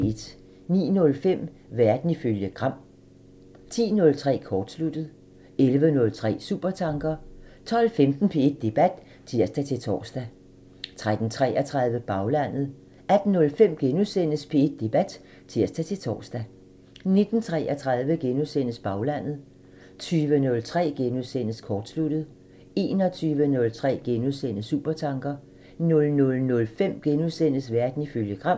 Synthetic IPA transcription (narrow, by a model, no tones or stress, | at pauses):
ed̥ | nḭːnɔ̽lfem̰ | ʋæɐd̥n̩iføljəɡ̥ʁɑ̈m̰ | t͡sʰḭːnɔ̽lt͡sʰʁɛ̰ːkʰɒːd̥slud̥ð̞̩ˠ | elʋənɔ̽lt͡sʰʁɛ̰ːsṵːb̥ɐt͡sʰɑ̈ŋɡ̥ɐt͡sʰɒ̽lfemd̥n̩pʰe̝ed̥̚ːe̝b̥æd̥ | t͡sʰiɐ̰sd̥æt͡sʰe̝t͡sʰɒ̰ːsd̥æ | t͡sʰʁad̥n̩t͡sʰʁɛ̰ʔɐt͡sʰʁɑ̈ð̞ˠʋəb̥ɑ̈ʊlæn̰ð̞̩ˠ | æd̥n̩ːɔ̽lfem̰ɡ̥enusen̰əspʰe̝e̝d̥̚ːe̝b̥æd̥ | t͡sʰiɐ̰sd̥æt͡sʰe̝lt͡sʰɒ̰ːsd̥æ | ne̝d̥n̩t͡sʰʁɛʔɐt͡sʰʁɑ̈ð̞ˠʋəɡ̥enusen̰əsb̥ɑ̈ʊlæn̰ð̞̩ˠ | t͡sʰyːʋənɔ̽lt͡sʰʁɛ̰ːɡ̥enusen̰əskʰɒːd̥slud̥ð̞̩ˠ | e̝ːnɒt͡sʰyːʋənɔ̽lt͡sʰʁɛ̰ːɡ̥enusen̰sṵːb̥ɐt͡sʰɑ̈ŋɡ̥ɐ | nɔ̽lnɔ̽lnɔ̽lfem̰ɡ̥enusen̰əsʋæɐd̥n̩iføljəɡ̥ʁɑ̈m̰